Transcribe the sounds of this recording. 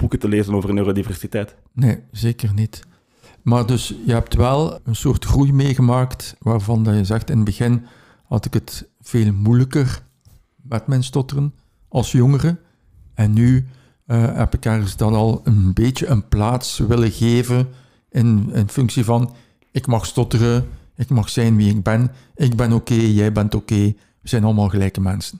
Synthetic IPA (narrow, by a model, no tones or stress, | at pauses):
b̥ukətəleːzənoːvərənøːrodivɛrsitɛjt | neːzeːkərnit | maːrdɵsjəɦɛp̚tʋɛlˠənsoːrtxrujmeːɣəmaːktʋaːrvɑndɑjəzɛxtɪnədbəɣɪn | hɑ̰tɪkət | v̥eːlˠmujləkər | mɛtmɛnstɔtərən | ɑlˠsjɔŋərə | ɛnːy | ɦɛ̰pɪkɛrɣəzdɑnɑlˠənbeːtəʔənplaːtsʋɪləɣeːvən | ɪnɪnfʏŋksivɑn | ɪkmɑxstɔtərəɪkmɑxsɛjnʋiɪɡ̚bɛn | ɪɡ̚bɛnokeːjɛjbɛntokeː | ʋərz̥ɛjnɑləmaːlˠɣəlɛjkəmɛnsən